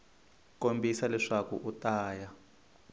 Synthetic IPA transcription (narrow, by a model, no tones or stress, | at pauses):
kombʱisalɛʂakṵʔutaːja